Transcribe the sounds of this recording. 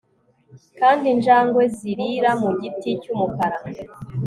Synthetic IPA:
kaːndinʒaːŋɡwe̞ziɾiɾamuɟiticumukaɾa

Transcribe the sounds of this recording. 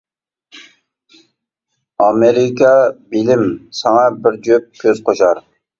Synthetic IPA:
ɑmeɾɪkʲʰɑbilɪmsɑŋɑbɪɾd͡ʒøp̚kʲʰøz̥qʰoʃɑɾ

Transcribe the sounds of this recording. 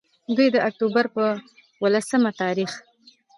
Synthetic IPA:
d̪ujd̪əʔak̚t̪obaɾpə | wəlasəmat̪ɑɾix

